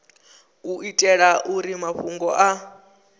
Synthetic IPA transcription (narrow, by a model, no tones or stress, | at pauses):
uitʼɛɺaʔuɾimaɸuŋɡɔʔa